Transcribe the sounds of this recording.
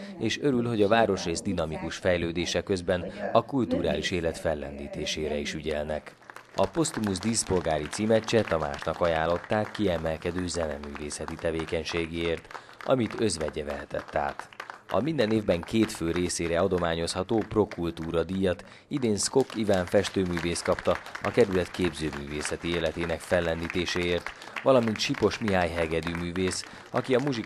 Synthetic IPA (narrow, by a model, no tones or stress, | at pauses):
eːʃø̞ɾylho̞ɟɒvaːɾo̞ʃreːzd̪inɒmikuʃfɛjløːd̪eːʃɛkø̞zbɛnɒkult̪uɾa̰ːliʃeːlɛt̪fɛlːɛ̰nd̪iːt̪eːʃeːɾɛiʃyɟɛlnɛk | ɒpo̞st̪muzd̪iːspo̞lɡaːɾit̪siːmɛt͡ʃːɛt̪ɒma̰ːʃnɒkɒjaːlːo̞t̪ːaːkːiɛmɛlkɛd̪øːzɛnɛ̰myːveːsɛt̪it̪ɛveːkɛɲʃeːɡieːrt̪ | ɒ̰mit̪ø̞zʋɛɟɛvɛɦɛt̪ɛ̰t̪ːa̰ːt̪ɒ̰mind̪ɛneːvbɛŋkeːt̪føːɾeːseːɾɛɒd̪o̞maːɲo̞shɒt̪oːpro̞kult̪uːɾɒd̪ijɒt̪ | id̪eːnsko̞kːivaːɱfɛʃt̪øːmyːveːst̪kɒpt̪ɒɒ̰kɛɾylɛt̪keːbzøːmy̰ːvḛːsɛt̪ieːlɛt̪eːnɛkfɛlːɛnd̪it̪eːʃeːeːrt̪ | ʋɒlɒmint̪ʃipo̞ʃmiɦaːjɦɛɡɛd̪ymyːveːs | ɒkiɒmuʒi